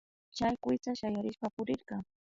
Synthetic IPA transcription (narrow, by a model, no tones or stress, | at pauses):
t͡ʃajkʷɪjt͡saʃajaɾɪʃpapʊɾɪɾɢɑŋ